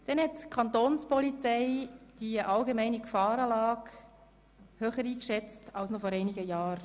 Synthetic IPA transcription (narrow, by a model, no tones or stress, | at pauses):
d̥ɛnhɛtkʰɑntoːnspɔlit͡sɛɪd̥iʔɑlɡemæɪniɡfɑːɾɑːlɑːk | høːχəɾiːkʃɛt͡stɑlsnɔfɔɾɛɪniɡəjɑːɾ